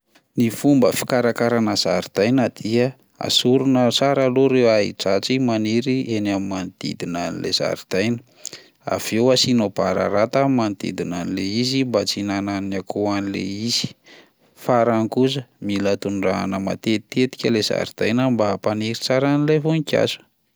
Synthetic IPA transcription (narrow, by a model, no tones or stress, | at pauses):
nifumbəfi̥kaɾakaɾanəz̥aɾid̪̥ajnəd̪̥iə | a̰suɾunət͡saɾaloɾewaɦḭʈ͡ʂat͡simaniɾienamimand̪̥ḭd̪inanilḛz̥a̰ɾid̪ajnə̥ | a̰v̥ewasinob̥aɾa̰ɾat̪amimand̪ḭd̪inanileizimbat͡sinananakʰoanilḛiz̥i̥ | faɾankuzəmilət̪unɖ͡ʐanəma̰t̪et̪et̪i̥kʲəlez̥a̰ɾid̪̥ajnambapaniɾit͡saɾanilevonikʲa̰zu̥